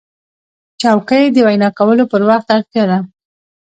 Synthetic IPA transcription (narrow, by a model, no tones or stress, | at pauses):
t͡ʃɑwkəjd̪əwajnɑkawəlopəɾwɑxt̪aɾt̪jad̪a